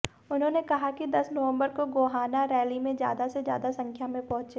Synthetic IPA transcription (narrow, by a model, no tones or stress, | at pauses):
ʊnɦõːnekɐɦakid̪ɐsnɐʋə̃mbəɾkoɡoːɦaːnaɾɛːlimẽzja̰ːd̪asezja̰ːd̪asɐ̃ŋkʰjamẽpɐɦʊ̃t͡ʃe